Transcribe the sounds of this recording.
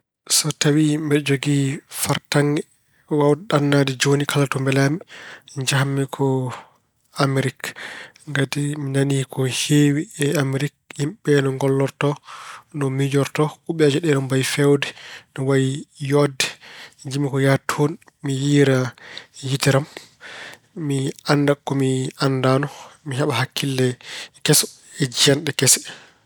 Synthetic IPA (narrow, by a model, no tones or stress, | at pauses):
sɔtawimbɛd͡ʒoɡifaɾtaŋɡɛ | wawdɛɗanːadɛd͡ʒonikʰalatumbɛlamid͡ʒahamːɛkʰɔ | amɾikŋɡatiminanikʰɔheːwiɛamiɾik̚himɓɛnɔŋɡɔlːɔɾtɔnɔmid͡ʒɔɾtɔʔuɓɛad͡ʒɛɗɛnɔmbajfɛwdɛnɔwajijɔdɛd͡ʒimikɔjatʰon | mijiːɾajitɛɾam | mianːdakːɔmiandanɔmiɦaɓaɦakʰːilːɛkɛsɔ̥ | ɛd͡ʒianɗɛkɛsɛ̥